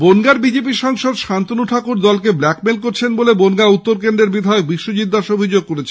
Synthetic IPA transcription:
bonɡaɾbid͡ʑep̬iʃɔŋʃod̪ʃant̪onuʈʰakuɾd̪ɔlkeblɛkmelkoɾt͡ɕʰenbolebonɡaut̪ːoɾkend̪ɾeɾbid̪ʱaeok̚biʃːod͡ʑid̪ːaʃobʱid͡ʑoɡ̚koɾet͡ɕʰe

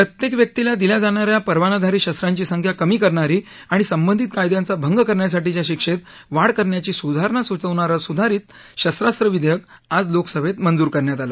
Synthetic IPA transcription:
pɾət̪jekʋjək̚t̪ilad̪iljad͡zaɳ̃aɾjapəɾʋanad̪ʱaɾiːɕəst̪ɾaɲt͡ɕiːsəŋkʰjakəmiːkəɾɳaɾiː | aɽ̃isəmbənd̪ʱit̪̚kajd̪jãnt͡sabʱəŋɡəkəɾɳjas̬aʈit͡ɕjaɕikʂet̪ | ʋaɽkəɾɳjat͡ɕiːsud̪ʱaɾɳasʋut͡səʋɳaɾəsud̪ʱaɾiːt̪ | ɕəsɾast̪ɾəʋid̪ʱjək̚ad͡zloksəbet̪mənd͡zuːɾkəɾɳjat̪alə

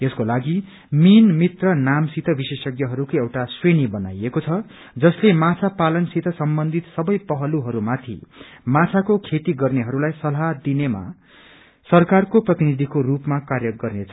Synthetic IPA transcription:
eskolaɡi | minmit̪rʌnamsit̪ʰʌbisesʌɡjʌɦʌɾukoewʈasrenibʌna̰jekot͡sʰʌ | d͡zʌslemat͡sʰapalʌnsit̪ʰʌsʌmbʌnd̪ʱit̪sʌbʌjpʌɦʌluɦʌɾumat̪ʰḭmat͡sʰakokʰet̪iɡʌrneɦʌɾulajsʌlɦad̪inema̰ | sʌrkarkoprʌt̪inid̪ʱikorupmakarjʌɡʌrnet͡sʰʌ

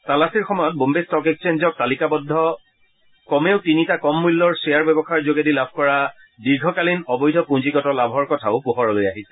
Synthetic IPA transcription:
talasiɹxɔmɔjɔt̚bombestɔkekst͡ʃenzɔk̚talikabɔdʱːɔ | kɔmeʊtinitakɔmːulːɔɹsejaɹbɛbɔxaɹzoɡedilabʱkɔɹa | diɹɡʱɔkalinɔbɔjdʱɔpũnziɡɔtɔlabʱɔɹkɔtʰaʊpuɦɔɹɔlojaɦisɛ

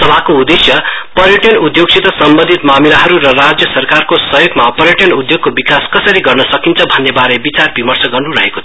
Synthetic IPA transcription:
t̪ʌbʱakoud̪esjʌpʌɾjʌʈjʌnud̪joɡ̚sʰit̪ʌsʌmbʌ̃nd̪ʱit̪mamilaɦʌɾurʌrad͡zjʌsʌrkarkosʌjoɡmapʌɾjʌʈjʌnud̪joɡ̚kobikaskʌsʌɾiɡʌrnʌsʌkint͡sʰʌbʱʌnːebaɾebit͡sarbimʌrt͡sʌɡʌrnuɾʌɦekot͡sʰ

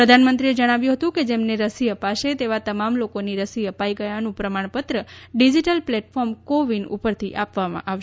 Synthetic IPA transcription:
pɾəd̪ʱanmənt̪ɾied͡ʒəɽ̃aʋjũɦət̪ũked͡ʒemneɾəsiəpaʃet̪eʋat̪əmamlokoniɾəsiəpaiɡəjanũpɾəmaɳ̃pət̪ɾəɖid͡ʒiʈəlplɛʈfɔɾmkoʋinṵpəɾt̪ʰiʔapʋamã̰ʔaʋʃ

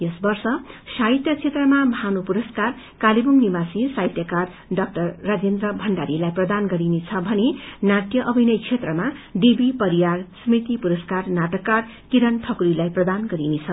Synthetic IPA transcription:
jʌsbʌrsʌsait̪jʌt͡sʰet̪rʌmabʱɦanupuɾʌskar | kalibuŋnibasisajt̪jʌkar | ɖʌk̚ʈʌrːad͡zend̪rʌbʱʌɳɖaɾilajprʌd̪anɡʌɾinet͡sʰʌbʱʌnenaʈjʌʔʌbʱinʌjt͡sʰet̪rʌmaɖibipʌɾijarsʌmit̪ipuɾʌskarnaʈʌkːar | kiɾʌnʈʰʌkuɾilajprʌd̪anɡʌɾinet͡sʰʌ

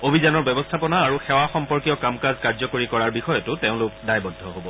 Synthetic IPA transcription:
obʱizanɔɹbɛbɔstʰapɔnaːɹuxɛwaxɔmpɔɹkiɔkamkazkaɹzɔkoɹikɔɹaɹbixɔjɔtʊteʊ̃lʊkdajbɔdʱɔɦobɔ

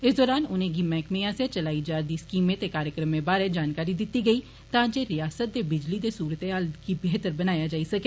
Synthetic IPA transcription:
ɪsd̪ɔːɾaːnʊnẽːɡimɛ̃ːkmẽaːset͡ʃəlaːid͡ʒaːɾd̪iːskiːmẽt̪ekaːɾjəkɾəmːẽbaːɾed͡ʒaːnkaːɾid̪ɪt̪ːiɡəiː | t̪ãːd͡ʒeːɾɪjaːsət̪̚d̪eːbɪd͡ʒlid̪eːsuːɾət̪eɦaːlɡibeːt̪əɾbənaːjaːd͡ʒaːisəke

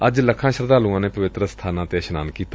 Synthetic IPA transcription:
əd͡ʒləkʰãːʃəɾd̪aːlũːãːneːpəʋɪt̪ɾəst̪ʰaːnãːt̪eːʃənaːnkiːt̪a

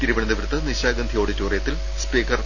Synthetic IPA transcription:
t̪iɾuʋɐɳɐnd̪ɐʋɾt̪ːɐniɕaːɡɐnd̪ʱijo̞ːɽet͡ɕuːrɐjɐt̪ːil | spiːkɐr

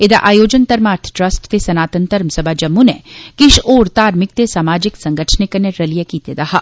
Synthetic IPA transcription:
ed̪a̰ʔaːjoːd͡ʒənt̪ɐɾmaːɾt̪ʰʈɾɐsʈt̪esɐnaːt̪ənt̪əɾmsɐbʱad͡ʒɐmːunekɪʃoːɾt̪aːɾmɪk̚t̪esaːmaːd͡ʒɪksɐ̃ŋɡəʈʰnekəneɾɐlijekiːt̪ed̪ɐɦaː

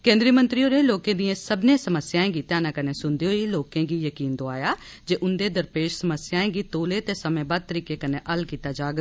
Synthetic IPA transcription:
kẽːnd̪ɾiːmənt̪ɾiːoːɾeːloːkẽːd̪iẽːsəbnẽːsəməsjaːẽːɡiːt̪ɪaːnãːkəneːsʊnd̪eːɦoːiːloːkẽːɡiːjəkiːnd̪oaːjaː | d͡ʒeːʔʊnd̪eːd̪əɾpeːʃsəməsjaːẽːɡiːt̪oːleːt̪eːsəmẽːbaːd̪̚t̪əɾiːkeːkənẽːʔəlkiːt̪aːd͡ʒaːɡ

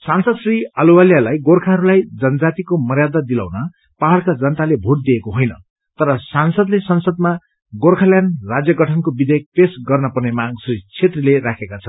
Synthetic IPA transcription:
sansʌd̪sriʌluwaljalajɡorkʰaɦʌɾulajd͡zʌnʌd͡zat̪ikomʌrjad̪ʌd̪ila̰wnʌ | paɦʌlkad͡zʌnʌt̪alebʱoʈ̚d̪iekoɦojnʌ̰ | t̪ʌɾʌsansʌd̪lesʌnsʌd̪̚ma | ɡorkʰaljanrad͡zjʌɡʌʈʰʌnkobid̪ʱek̚pesɡʌrnʌpʌrnemaɡsrit͡sʰet̪rileɾakʰekat͡sʰʌ

